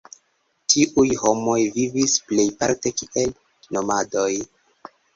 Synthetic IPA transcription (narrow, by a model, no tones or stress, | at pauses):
tʰiʔujhomo̞jvivisple̞jpa̰ɾte̞kiel | no̞mado̞j